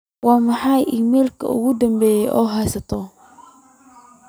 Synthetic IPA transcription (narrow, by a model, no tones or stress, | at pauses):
wɑːmɑħɑjʔiːmɛːlkʰɐ̰ʊ̰ɣʊd̪ɐmbɛːjɛjʔɔːɦɛjsɐt̪ʰɔ